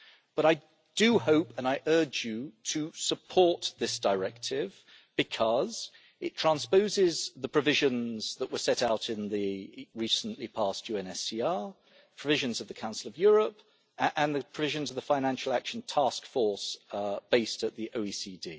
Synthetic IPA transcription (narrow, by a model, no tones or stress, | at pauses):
b̥ʌɾaɪ | d̥ɨhoʊpə̃naɪʔɜ˞d͡ʒɨtʰɨsəpʰɔɹt̪̚ðɪsd̥əɹɛk̚tʰɪv | b̥ɨkʰʌz | ɨtʰɹ̥æ̃nspoʊzɪzðəpʰɹ̥ɨvɪʒɨ̃nzðəʔwʔəsɛɾaʊɾɪ̃nðiɹisə̃n̩ʔlipʰɑˑstjʉɛ̃nɛsiɑ | pʰɹ̥əvɪʒɨ̃nzʌvðɨkʰãʊ̃nsl̩ˠʌvjʊɹəp | ʔə̃nðɨpʰɹ̥əvɪʒɨ̃nzʌvðəfãɪnæ̃nʃl̩ˠækʃn̩tʰæskfɔɹsb̥eɪstɨt̪̚ðiʔoʊisidḭ